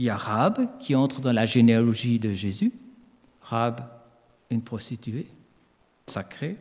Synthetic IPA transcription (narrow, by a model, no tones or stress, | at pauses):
ljaʁabkʲʰiɑ̃t̪χd̪ɑ̃laʒenealɔʒid̪əʒezy | ʁab | ynpχɔst̪it̪ye | sakχe